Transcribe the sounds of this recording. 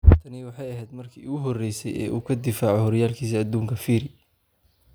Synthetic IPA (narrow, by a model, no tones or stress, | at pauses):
t̪ʰɐnɪwɑħɑjɐɦɛjd̪mɐrkʰiːʊɣʊɦɔrɛjsɛ̰jɛ̰ːʔuːkʰɐd̪ɪfaːʕɔhɔɾɪjaːlkʰiːs̬ɐɐd̪uːŋkʰɐfiːɾɪ